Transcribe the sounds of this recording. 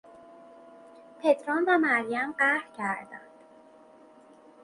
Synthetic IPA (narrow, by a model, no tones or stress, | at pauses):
pʰet̪ʰɾɔnvæmæɾjæmɢæɾcʰæɾd̪æ̰nd̪̥